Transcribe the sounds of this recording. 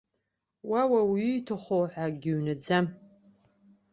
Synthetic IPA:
wawawitʰɨχowħaɡʲɪɥnɨd͡zam

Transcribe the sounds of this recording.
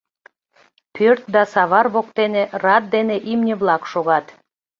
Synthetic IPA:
pʰørt̪̚d̪ɑsɑβɑrβokt̪enerɑt̪̚d̪eneʔimnʲə̆βlɑkʃoɣɑt̪

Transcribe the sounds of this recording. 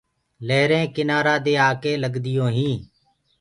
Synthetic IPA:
leːɾẽːkɪnaːɾaːd̪eːaːkeːləɡd̪ɪjõːɦĩː

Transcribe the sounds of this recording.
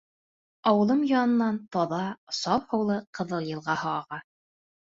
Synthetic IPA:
ɑwɤ̆lˠɤmjɑnɤ̆nːɑnt̪ɒðɑsɑphɤ̆wlˠɤqɤ̆ðɤlˠjɤ̆lˠʁɑhɑːʁɑ

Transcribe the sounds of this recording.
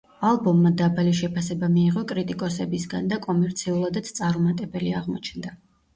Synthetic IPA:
alˠbɔmːad̪abaliʃɛpʰasɛbamiːʁɔkʼɾit̪ʼikʼɔsɛbisɡand̪akʼɔmɛɾt̪sʰiulˠad̪at̪st̪sʼaɾmat̪ʼɛbɛliaʁmɔ̰t͡ʃʰnd̪a

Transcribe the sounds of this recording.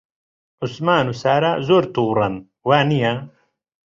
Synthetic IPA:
ʊsmaːnusaːɾazoːɾt̪uːɾɐn | waːnija

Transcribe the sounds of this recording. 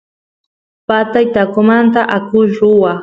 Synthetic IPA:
pat̪ajt̪akʊmant̪aʔakʊʃɾʊwa

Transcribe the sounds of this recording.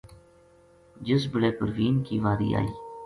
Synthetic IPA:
d͡ʒəsbəɽeːpəɾʋiːnkiːʋaːɾḭːa̰ːiː

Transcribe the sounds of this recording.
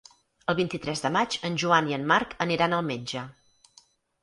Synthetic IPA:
əlˠβ̞int̪it̪ɾɛzðəmat͡ʃənʲʒuaniənmaɾkəniɾanəlˠmed͡ʒə

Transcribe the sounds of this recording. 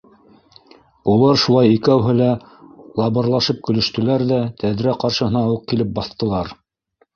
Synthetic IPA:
ulˠɑɾʃulˠɑjikæwɦɘ̆læ | lˠɑβɤ̆ɾlˠɑʃɤp̚kɵ̆lɵ̆ʃt̪ɵ̆læɾðæt̪ʰæðɾæqɑɾʃɤ̆ɦɤ̆nɑuq̚kilɘp̚bɑθt̪ɤ̆lˠɑɾ

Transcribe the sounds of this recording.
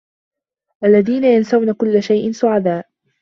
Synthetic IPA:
ʔalːaðiːnajansawnakʊlːaʃajʔɪnsʊʕad̪aːʔ

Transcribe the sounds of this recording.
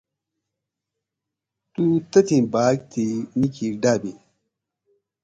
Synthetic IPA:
tut̪ɐt̪inbak̚t̪inikʰiɾdabe

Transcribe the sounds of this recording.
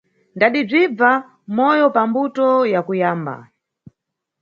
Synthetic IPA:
ndaɗib͡ʐib͡va | mɔjɔpambutɔjakujaːmba̰

